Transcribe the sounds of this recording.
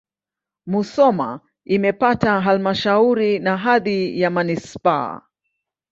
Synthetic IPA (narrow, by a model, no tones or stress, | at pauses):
musɔma̰ | imɛpataɦalmaʃauɾinaɦaðijamanispaa̰